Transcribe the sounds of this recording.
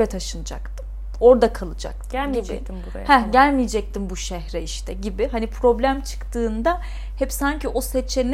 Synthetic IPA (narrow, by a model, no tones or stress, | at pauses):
ɛt̪ʰaʃɯnɯd͡ʒa̰kt̪ʰɯm | o̞ɾd̪akʰalˠɯd͡ʒa̰k̚t̪ʰɯɟḭ | mbuɾ̰hɛɟælʲmijed͡ʒɛc̚t̪ʰimbuʃɛhɾɛiʃt̪ʰɛɟibɪɦanipʰɾo̞blʲæmt͡ʃʰɯ̥kt̪ʰɯːnd̪a | hɛpsaɲciʔo̞sɛt͡ʃʰen